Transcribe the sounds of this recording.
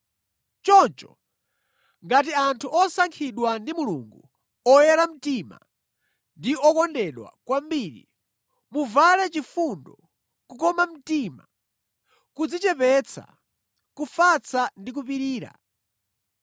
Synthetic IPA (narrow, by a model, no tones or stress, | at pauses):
t͡ʃɔnt͡ʃɔ | ŋɡatiantʰuɔsaŋkʰiɗwandimulṵŋɡu | ɔjɛɾam̩tima̰ | ndiɔkɔndɛɗwa̰kwambiɾḭ | muvalɛt͡ʃifundɔ | kukɔmam̩tima | kud͡zit͡ʃɛpɛt͡sʰa̰ | kufat͡sʰandik̬upiɾiːɾa̰